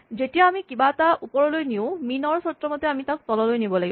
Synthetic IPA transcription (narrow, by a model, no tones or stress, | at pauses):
zetijaːmikibataʔupɔɹɔlojniʊ̃minɔɹsɔtːɹɔmɔt̪ɛamitak̚tɔlɔlojnibɔlaɡi